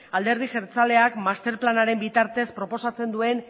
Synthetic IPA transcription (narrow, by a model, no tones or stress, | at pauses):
ald̪e̞ɾð̞iʝeɾt͡sale̞akmast̪e̞ɾplanaɾe̞mbit̪aɾt̪e̞spɾo̞po̞sat͡se̞nd̪ue̞n